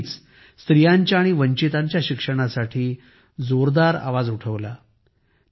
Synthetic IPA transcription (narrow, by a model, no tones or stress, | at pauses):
t͡s | st̪ɾijaɲt͡ɕjaːɽ̃iʋəɲt͡ɕit̪aɲt͡ɕjaɕikʂəɽ̃asaʈʰiː | d͡zoɾd̪aɾa̰ʋad͡zuʈʰəʋla̰